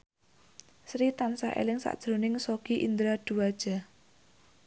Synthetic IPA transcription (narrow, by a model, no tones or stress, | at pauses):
sɾit̪ansa̰ʔḛlɪŋsa̰ʔd̥ʒ̥ɾonɪŋsoɡ̥iʔḭnd̪ɾad̪̥ṳad̥ʒ̥a̤